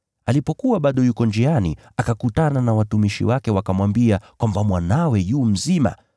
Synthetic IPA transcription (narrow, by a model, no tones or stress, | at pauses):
alipɔkuwaɓaɗɔjukɔnd͡ʒianḭ | akakutananawatumiʃḭwakɛwakamwambiakwambamwanawɛjuːm̩zima̰